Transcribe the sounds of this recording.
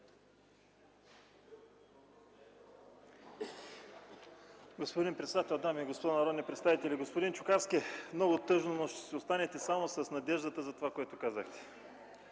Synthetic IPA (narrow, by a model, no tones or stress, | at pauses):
ɡospod̪inpɾɛt̪sɛd̪at̪ɛlˠd̪amiɛɡospod̪anɐɾɔd̪nʲipɾɛt̪st̪avit̪ɛlʲiɡospod̪int͡ʃʊkaɾskʲiɛmnɔɡʊt̪ɤʒnonoʃt̪ɛ̥sɛost̪anɛt̪ɛsamosɐsnɐd̪ɛʒd̪ət̪əzɐt̪ovakoɛt̪ʊkazəxt̪ɛ̥